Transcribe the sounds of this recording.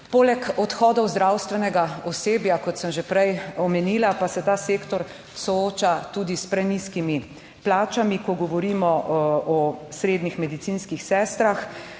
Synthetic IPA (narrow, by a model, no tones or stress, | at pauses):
poːlɛkɔt̪xɔːd̪ɔwzd̪ɾawst̪ʋɛnɛɡaɔseːbjakɔt̪səmʒepɾɛjɔmɛniːlapasɛt̪aːseːkt̪ɔɾ | sɔoːt͡ʃat̪uːd̪ispɾɛniskimi | plaːt͡ʃamikɔɡɔʋɔɾimɔʔɔsɾeːd̪nixmɛd̪it̪siːnskixsɛːst̪ɾax